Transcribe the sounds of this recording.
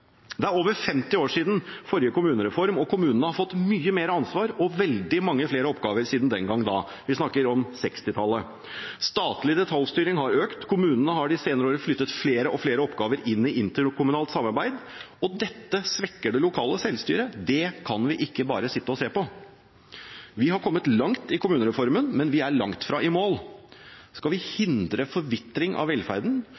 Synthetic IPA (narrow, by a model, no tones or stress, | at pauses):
d̪ɛæɾoːʋəɾfɛmt̪ɪoːʂiːd̪n̩fɔɾjəkʊmʉːnəɾɛfɔɾmɔkʰʊmʉːnənəhɑfɔt̪ːmyːəmeːɾəɑnsʋɑːɾɔʋɛld̪ɪmɑŋːəfleːɾəɔpɡɑːʋəɾsiːd̪n̩d̪ɛnɡɑŋːd̪ɑ̰ː | ʋɪsnɑkːəɾɔmsɛkst̪ɪt̪ʰɑlːə | st̪ɑːt̪lɪd̪ɛt̪ʰɑlst̪yːɾɪŋhɑɾøːkt̪kʰʊmʉːnənəhɑɖɪseːnəɾəoːɾəflʏt̪ːət̪fleːɾəʔɔfleːɾəɔpɡɑːʋəɾɪnːɪʔɪnt̪əkʰʊmʉnɑːlt̪sɑmːɑɾbæɪd̪ | ɔd̪ɛt̪ːəsʋɛkːəɖɛlʊkʰɑːləsɛlst̪y̰ːɾəd̪ɛkʰɑnʋɪʔɪkːəbɑ̰ːɾəsɪt̪ːəɔseːpɔ | ʋɪɦɑɾkʰɔmːət̪lɑŋt̪ɪkʰʊmʉːnəɾɛfɔɾmənmɛnʋɪæɭɑŋt̪fɾɑʔɪmoːl | skɑlʋɪhɪnd̪ɾəfɔɾʋɪt̪ɾɪŋʔɑ̰ʋɛlfæɾd̪n̩